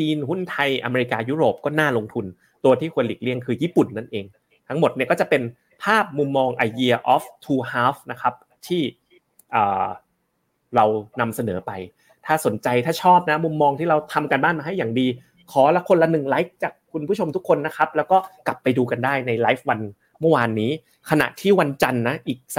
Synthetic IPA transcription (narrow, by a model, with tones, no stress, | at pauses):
t͡ɕiː˧nhu˥˩nt̪ʰa˧jʔa̰˧meː˧ɾi˧kaː˧juː˦˥ɾoː˨˩p̚kɔː˥˩naː˥˩lo˧ŋt̪ʰu˧n | t̪u˧ɐt̪ʰiː˥˩kʰu˧əliː˨˩k̚li˥˩əŋkʰɯː˧jiː˥˩pu˨˩nːa˥˩nʔeː˧ŋ | t̪ʰa˦˥ŋmo˨˩t̪̚ni˥˩ɐkɔː˥˩t͡ɕa˨˩pe˧n | pʰaː˥˩p̚mu˧mːɔː˧ŋʔaː˧jdi˧ɐʔɔː˦˥ft̪ʰuː˧haː˦˥fna˦˥kʰa˦˥p̚ | t̪ʰiː˥˩ | ʔɤː˨˩ | ɾa˧wna˧msa˧nɤː˩˦pa˧j | t̪ʰaː˥˩so˩˦nt͡ɕa˧jt̪ʰaː˥˩t͡ɕʰɔː˥˩p̚na˦˥mu˧mːɔː˧ŋʰiː˥˩ɾa˧wt̪ʰa˧mka˧nbaː˥˩nmaː˧ɦa˥˩jːaː˨˩ŋdiː˧ | kʰɔː˩˦lɛ˦˥kʰo˧nla˧˦nɯ˨˩ŋlaː˦˥k̚t͡ɕaː˨˩kʰːu˧npʰu˥˩t͡ɕʰo˧mt̪u˦˥kʰːo˧nːa˦˥kʰa˦˥p̚lɛː˦˥wkɔː˥˩ka˨˩pːa˧jduː˧ka˧ndaː˥˩jna˧jlaː˦˥fwa˧n | mɤ˥˩waː˧nːiː˦˥ | kʰa˧na̰˨˩ʔt̪ʰiː˥˩wa˧nt͡ɕa˧nːa˦˥ʔiː˨˩k̚s